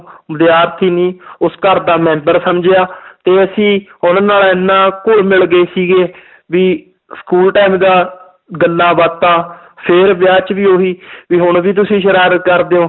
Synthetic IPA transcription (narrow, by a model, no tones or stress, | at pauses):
məd̪eaːɾt̪ʰiːnĩːʊskəɾd̪aːmɛ̃ːmbəɾsəmd͡ʒeːaːt̪eːəsĩːʊnːnaːlɪnːãːkʊɭmɪɭɡeːsiːɡeː | ʋiː | skuːlʈaːmd̪aː | ɡəlːãːbaːt̪ːãː | pʰɪɾbɪjaːt͡ʃʋiːoːɦiːʋiːɦʊɳʋiːt̪̬ʊsĩːʃəɾaːɾət̪kəɾd̪eːõː